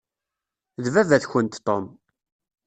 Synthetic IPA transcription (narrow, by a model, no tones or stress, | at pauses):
ðvævæθçənt̪t̪ːom